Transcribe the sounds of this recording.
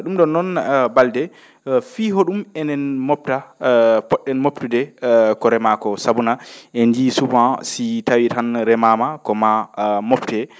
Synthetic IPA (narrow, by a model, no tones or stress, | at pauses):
ɗumɗɔnːɔnbaldɛ | fiɦoɗumɛnɛnmɔp̚tapɔɗːɛnmoptudɛkɔɾɛmakɔsabunaʔɛndisubãsitawitanɾɛmamakɔmamoptɛ